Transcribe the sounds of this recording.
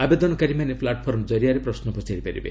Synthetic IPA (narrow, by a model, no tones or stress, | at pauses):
abed̪ɔnɔkaɾimanepʰlaʈɔpʰɔɾmd͡ʒɔɾijaɾepɾɔsnɔpɔt͡ʃaɾipaɾḭbḛ